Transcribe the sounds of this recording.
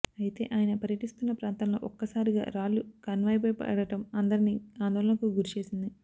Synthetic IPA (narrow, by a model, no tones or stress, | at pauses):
ɐjit̪e̞̰ːʔaːjɐnɐpɐɾjɐʈist̪unːɐpɾaːnt̪ɐmloːʔɔkːɐsaːɾiɡa̰ːɾaːlːukɐnʋaːjp̬oːjpɐ̰ɽɐʈɐmɐnd̪ɐɾiniːaːnd̪ɔːlɐnɐkuɡuɾit͡ʃe̞ːsind̪i